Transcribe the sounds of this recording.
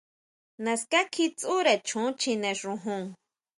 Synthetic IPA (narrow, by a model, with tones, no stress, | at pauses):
nã˨ska˦kʰi˦t͡sʼu˦ɾɛ˨t͡ʃʰũ˦t͡ʃʰi˧nɛ̃˨ʃʐũ˧ɦũ˦˨ŋ